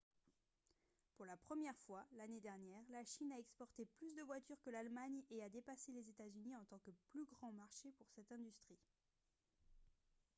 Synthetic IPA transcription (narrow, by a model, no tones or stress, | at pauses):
puʁlapχəmjɛʁfwalaned̪ɛʁnjɛːʁlaʃinaɛkspɔʁt̪eplysd̪əvwat̪yʁkəlalmaɲead̪epaselezet̪azyniɑ̃t̪ɑ̃kəplyɡʁɑ̃maʁʃepuʁsɛt̪ɛ̃d̪yst̪χi